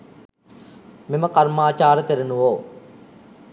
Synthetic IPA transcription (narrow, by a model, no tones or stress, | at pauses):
meməkarmaːt͡ʃaːɾət̪eɾenuʋoː